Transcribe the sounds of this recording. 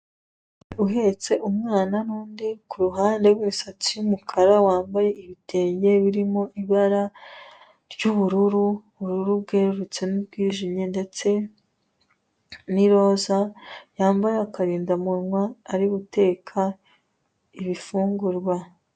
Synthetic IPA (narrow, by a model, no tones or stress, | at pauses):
uɦe̞t͡se̞ʔumŋaːnaɾuːndikuɾuɦaːnde̞wimusat͡sijumukʰaɾawaːmbaje̞iβitʰe̞ːɲɟe̞βiɾimo̞ʔiβaɾa | ɾɟuβuɾuɾu | βuɾuɾubɡe̞ːɾuɾut͡se̞nubɡiːʒimɲende̞t͡se̞ | niɾo̞ːzajaːmbaɾakaɾiːndamuɾŋwaːɾiβute̞ːkʰa | iβifuːŋɡuɾɡwa